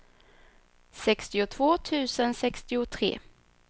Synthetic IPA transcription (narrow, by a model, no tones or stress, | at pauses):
sɛkst̪ɪʊt̪ʰvoːt̪ʰʉ̟ːsənsɛkst̪ɪʊt̪ʰɾḛː